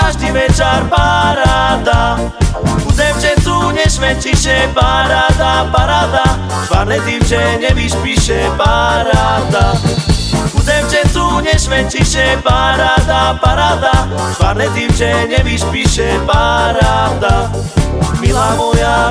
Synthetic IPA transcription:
kaʒd̪iʋɛt͡ʃaɾpaɾaːd̪a | uzɛmt͡ʃɛt͡s̪uɲɛʃʋɛt͡ʃiʃɛpaɾaːd̪apaɾaːd̪a | ʃvanɛt̪imt͡ʃɛɲɛʋiʃpiʃɛpaɾaːd̪a | uzɛmt͡ʃɛt͡suɲɛʃʋɛt͡ʃiʃɛpaɾaːd̪apaɾaːd̪a | vaɾnɛt̪imt͡ʃɛɲɛʋiʃpiʃɛpaɾaːd̪a | milaːmɔja

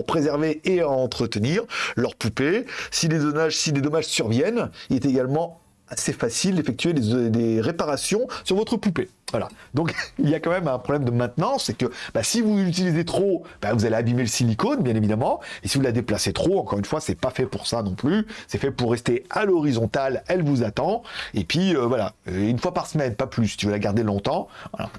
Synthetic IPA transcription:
puʁpχezɛʁveeɑ̃t̪χət̪əniʁlœʁpupesilezɔnaʒsiled̪ɔmaʒsyʁvjɛnilɛt̪eɡalmɑ̃ | asefasild̪efɛk̚t̪ɥed̪ed̪eʁepaʁasjɔ̃syʁvɔt̪χəpupe | vwala̰d̪ɔ̃kiljakɑ̃mɛmɛ̃pχɔblɛmd̪əmɛ̃t̪nɑ̃sːɛkəbasivuzyt̪̬ilizet̪χob̥ɛvuzaleabimeləsilikonbjɛ̃nevid̪amɑ̃esivulad̪eplaset̪χoɑ̃kɔʁynfwasɛpafɛpuʁsanɔ̃plysɛfɛpuʁːɛst̪ealɔʁizɔ̃t̪alɛlvuzat̪ɑ̃epɥiøvwalaøynfwapaʁsəmɛnpaplyst̪yvəlaɡaʁd̪elɔ̃t̪ɑ̃vwa̰la̰

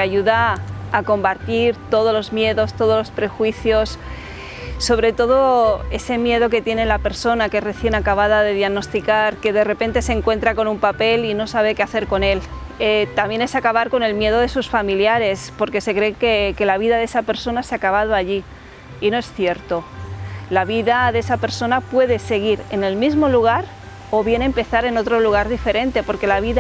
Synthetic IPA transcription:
aʝuðaːko̞mbaɾt̪iɾt̪o̞ð̞olo̞zmje̞ðo̞st̪o̞ð̞olo̞spɾe̞xwiθjo̞sː | o̞βɾe̞t̪o̞ð̞oe̞se̞mje̞ðo̞k̬e̞t̪je̞nelape̞ɾso̞nakere̞θje̞nakaβ̞aðaðe̞ðjaɣno̞st̪ikaɾke̞ðe̞re̞pe̞nt̪e̞seŋkwe̞nt̪ɾako̞numpape̞lino̞saβ̞ekeaθe̞ɾko̞ne̞l | et̪amje̞ne̞sakaβaɾko̞ne̞lmje̞ð̞o̞ð̞e̞susfamiljaɾe̞spo̞ɾke̞se̞kɾe̞keke̞laβ̞iðaðe̞sape̞ɾso̞naseakaβ̞að̞oaʝiː | no̞e̞sθje̞ɾt̪o̞laβiðaðe̞sape̞ɾso̞napwe̞ð̞e̞se̞ɣ̞iɾe̞ne̞lmizmo̞luɣ̞aɾ | o̞βje̞ne̞mpe̞θaɾe̞no̞t̪ɾo̞luɣ̞aɾðife̞ɾẽ̞nt̪e̞po̞ɾke̞laβ̞iða

